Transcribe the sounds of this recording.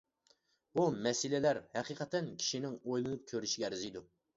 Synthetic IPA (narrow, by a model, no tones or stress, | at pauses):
bumɛsɪlɪlæɾhɛqʰiqʰət̪ɛnkʲʰi̥ʃinɪŋojlˠɨnup̚kʲʰøɾyʃiɡʲɛæɾɪzijd̪u